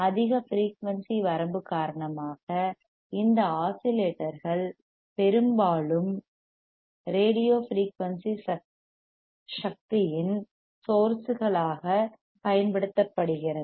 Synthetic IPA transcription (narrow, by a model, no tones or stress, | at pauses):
ɐðɪɣɐfɾiːkʋɐnsiʋɐɾɐmbɯkːaːɾɐɳɐmaːɣɐ | ɪnd̪ɐaːsɪleːʈːɐɾɣɐɭ | pɛɾɯmbaːɭɯm | ɾeːɽɪjoːfɾiːkʋɐnsiɐ | ʂɐk̚t̪ɪjɪn | soːɾsɯɣɐɭaːɣɐ | pɐjɐnpɐɽɯt̪ːɐpːɐɽɯɣɪrɐðɯ